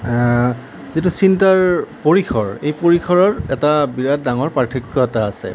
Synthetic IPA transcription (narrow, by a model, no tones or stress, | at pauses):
zitusintaɹpoɹikʰɔɹejpoɹikʰɔɹɔɹɛtabiɹad̚daŋɔɹpatʰikːɔtaːsɛ̰